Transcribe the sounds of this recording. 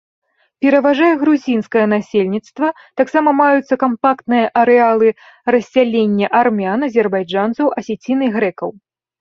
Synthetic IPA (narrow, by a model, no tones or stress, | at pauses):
pʲɛɾɐvaʐajɛɣɾuzʲinskɐjɐnasʲelʲnʲit̪st̪vɐ | t̪aksamɐmajut̪sːɐkampakt̪nɨjɐʔɐɾɛalˠɨ | rɐsʲːalʲenʲːɐʔarmʲanɐzʲɛrbajd͡ʐant̪sɐwʔɐsʲɛt͡sʲinɨɣɾɛkɐw